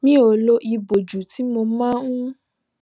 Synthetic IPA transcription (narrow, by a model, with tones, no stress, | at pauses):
mĩ˦o˨lo˧˦ʔi˧bo˨d͡ʒu˨ti˨˦mo˧mã˦ũ˦